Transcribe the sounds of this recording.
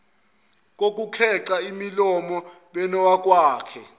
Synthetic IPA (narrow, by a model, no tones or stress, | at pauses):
k̬ok̬ʼukʰɛǁaimilɔmɔ | ɓɛnɔwak̬ʼwaːkʰɛ